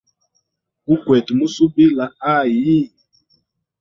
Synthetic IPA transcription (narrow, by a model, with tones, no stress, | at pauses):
u˦kwɛ˨tmu˦su˦bi˦la˨a˦˨ji˦˨